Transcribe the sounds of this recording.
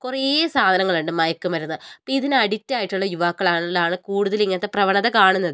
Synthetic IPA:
kureːsaːd̪ʱɐnɐŋːɐɭuɳɖɨmɐjɐkːumpɐɾunːupoiðinɨɐɽitːaːjiʈːuɭːɐjuʋaːkːɐɭaːɳlːaːɳɨkuːɽuðɐliŋːɐnɐt̪ːeprɐʋɐɳɐðɐkaːɳunːɐðɨ

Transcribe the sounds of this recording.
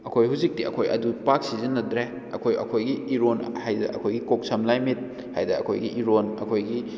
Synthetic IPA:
ɐkʰojɦuzik̚tiɐ̰kʰojʔɐ̰dupak̚sizinɐdɾe | ɐkʰojɐ̰kʰojɡiiɾonhajdɐ̰ʔɐ̰kʰojɡikok̚sɐmlajmit̚ | hajdɐɐkʰojɡiʔiɾonɐ̰kʰojɡi

